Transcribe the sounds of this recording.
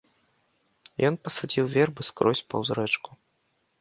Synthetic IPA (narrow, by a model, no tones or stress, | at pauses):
jɔnpɐsad͡zʲiwvʲɛrbɨskɾɔsʲpɐ̰wzɾɛt͡ʂku̥